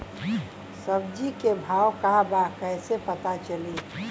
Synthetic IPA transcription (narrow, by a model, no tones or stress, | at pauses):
səb̚d͡ʒikebʱaːwkaɦbakəɪsepət̪at͡ʃəli